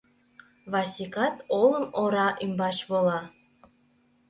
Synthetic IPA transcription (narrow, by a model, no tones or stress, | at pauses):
βɑsʲikɑt̪oləmoɾɑʔymbɑt͡ɕβolɑ